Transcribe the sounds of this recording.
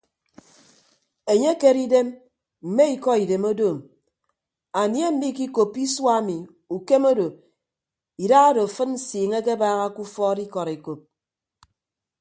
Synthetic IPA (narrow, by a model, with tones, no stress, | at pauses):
e˨ɲe˦ke˦ɾi˦de˦m | m̩˨me˦i˨kɔ˦i˨de˨mo˦doː˦˨m | a˨nje˦m̩˦bi˦˨ki˦ko˨pːi˦swa˦mi˨ | u˨ke˦mo˦do˨ | i˨da˦ɣa˦do˨fɨ˦nn̩˦siː˨ŋe˦ke˦baː˦ɣa˦ku˦fɔ˦di˦kɔ˨ɾe˨ko˨p̚